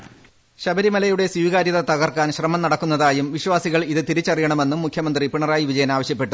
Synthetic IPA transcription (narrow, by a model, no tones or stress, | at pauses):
ɕɐbɐɾimɐlɐjuɽe̞swiʋɣaːɾjɐðɐt̪ɐɣɐrkːaːnɕrɐmɐmnɐɽɐkːunːɐðaːjumʋiɕʋaːsiɣɐɭiðɨt̪iɾit͡ɕːɐrijɐɳɐme̞nːumːukʰjɐmɐnd̪ripiɳɐraːjiʋid͡ʑɐjɐnaːʋɐɕjɐpːe̞ʈːu